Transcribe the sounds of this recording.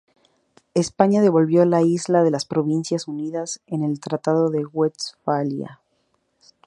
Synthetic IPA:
e̞spaɲaðe̞βo̞lβjo̞laizlaðe̞laspɾo̞β̞insjasuniðase̞ne̞lt̪ɾat̪aðo̞ðe̞ɣwet̪sfalja̰

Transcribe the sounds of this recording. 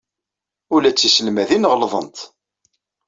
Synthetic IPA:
ʊlæt͡sːisəlmæðinəʁlðˤə̰nt̪

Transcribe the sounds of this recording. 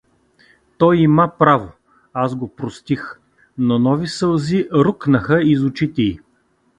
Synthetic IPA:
t̪ɔjimapɾavo | azɡopɾost̪ix | nonɔvisəlˠziɾuknəxəizʊt͡ʃit̪ɛi

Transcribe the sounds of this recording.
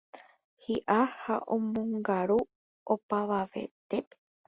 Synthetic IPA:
hiʔahaʔõ̰mõŋɡaɾu | opaʋaʋe̞̰t̪epe̥

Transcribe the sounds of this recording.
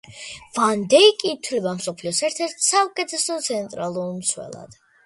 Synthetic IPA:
vand̪ɛikʼiːt̪ʰwlɛbamsɔpʰliɔsɛɾt̪ʰɛɾt̪ʰsaukʼɛt̪ʰɛsɔt̪sʰɛnt̪ʼɾalˠuɾmswɛ̰lˠa̰d̪̥

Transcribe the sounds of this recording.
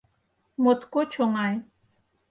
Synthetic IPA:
mʊt̪kʊt͡ʃoŋaj

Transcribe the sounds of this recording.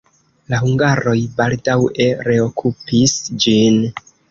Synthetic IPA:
lahuŋɡaɾo̞jbaldawe̞ɾe̞o̞kʰupisd͡ʒin

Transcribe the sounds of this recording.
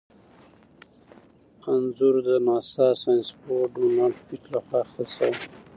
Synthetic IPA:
qanzuɾd̪ənɑsɑsajnspoɖunalpit͡ʃlaxwɑxt̪asaw

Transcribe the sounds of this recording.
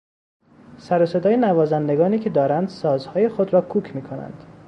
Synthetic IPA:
sæɾose̞d̪ɒːjenævɒːzænd̪e̞ɡɒːniːcʰe̞d̪ɒːɾænd̪sɒːzhɒːje̞xod̪ɾɒːkʰuːcʰmiːkʰo̞næ̰nd̪̥

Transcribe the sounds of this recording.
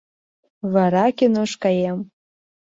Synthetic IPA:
vaɾakʲinoʂkʼajem

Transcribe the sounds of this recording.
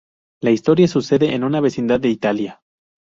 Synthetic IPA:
laist̪o̞ɾjasuse̞ðe̞ʔenunaβe̞sind̪aðːe̞it̪alja

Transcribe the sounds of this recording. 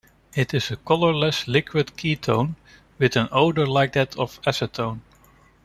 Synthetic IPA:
ɪtɪzɨkʰʌlˠə˞lɛslɪkʰwɨd̚kʰitʰõʊ̃n | wɨðɨ̃noʊdə˞laɪk̚ðætʰʌv̥æsətʰõʊ̃n

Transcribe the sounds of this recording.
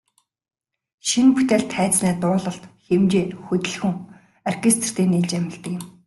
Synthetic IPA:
ʃinpu̥t̪ʲeːɬt̪χæːt͡snæːt̪ʊːɮə̆ɬt̪xemt͡ɕeːnxut̪ʲɘ̆ɮxuŋ | arkʰest̪̆ʰr̥t̪iːnːiːɮt͡ɕæmʲɪ̆ɮt̪ə̆kjɪ̆m

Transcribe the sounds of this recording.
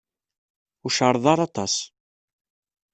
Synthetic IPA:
ʊʃəɾˤðˤɑɾˤɑt̪ˤɑ̰s

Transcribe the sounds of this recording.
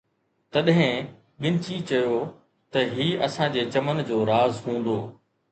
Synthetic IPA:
t̪ɐɗɦɪ̃ | ɠɪ̃nt͡ɕit͡ɕɐjo | t̪ɐɦiːɐsãd͡ʑeːt͡ɕɐmənd͡ʑoːɾaːzɦũːn̆d̪oː

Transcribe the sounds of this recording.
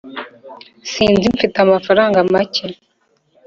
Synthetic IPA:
siːnzimfitamafaɾaːŋɡamace

